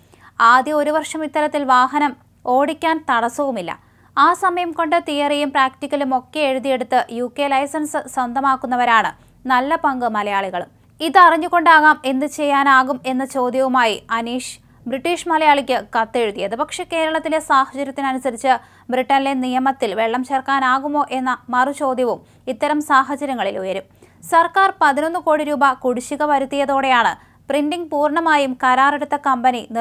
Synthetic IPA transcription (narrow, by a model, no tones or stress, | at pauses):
aːd̪jɐo̞ɾuʋɐrʂɐmit̪ːɐɾɐt̪ːilʋaːɦɐnɐm | o̞ːɽikʲːaːnt̪ɐɽɐsɐʋumilːɐ̰ | aːsɐmɐjɐmko̞ɳɖɨt̪ijɐrɐjumpraːktikʲːɐlumo̞kːe̞eɻuðije̞ɽut̪ːɨjuːkːelɐjsɐnsɨswɐnd̪ʱɐmaːkːunːɐʋɐɾaːɳɨ | nɐlːɐpɐŋɡɨmɐlɐjaːɭiɣɐɭum | iðɨɐriɲːuɣo̞ɳɖaːɣaːme̞nːɨt͡ɕe̞jːaːnaːɣume̞nːɐt͡ɕo̞ːd̪jɐʋumaːjiɐniːʂ | briʈːiːʂmɐlɐjaːɭikʲːɨkɐt̪ːe̞ɻut̪ːijɐðɨpɐkʂe̞ke̞ːɾɐɭɐt̪ːilesaːhɐt͡ɕɐɾjɐt̪ːinɐnusɐɾit͡ɕːɨ | briʈːɐnlenijɐmɐt̪ːilʋe̞ɭːɐmt͡ɕerkaːnaːɣumo̞ːʔe̞nːɐmɐrut͡ɕo̞ːd̪ʱjɐʋum | it̪ːɐɾɐmsaːɦɐd͡ʑɐɾjɐŋːɐɭilujɐɾum | sɐrkaːrpɐðino̞nːɨko̞ːɽiɾuːbɐkuɽiɕːiɣɐʋɐɾut̪ːijɐðoːɽejaːɳɨ | prindiŋɡpuːrɳɐmaːjumkɐɾaːreɽut̪ːɐkɐmbɐnini